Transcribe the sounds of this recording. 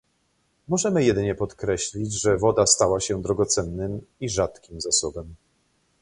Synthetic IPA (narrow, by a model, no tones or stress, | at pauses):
mɔʐɛmɘjɛd̪ɘɲɛpɔt̪kɾɛɕlʲid͡ʑʐɛvɔd̪ast̪awaɕɛd̪ɾɔɡɔt̪sɛnːɘmiʐat̪kʲimzasɔbɛm